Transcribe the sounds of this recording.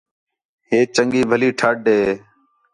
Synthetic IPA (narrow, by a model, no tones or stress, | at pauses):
ɦeːt͡ʃəŋɡiːbʱəliːʈʰaːɖeː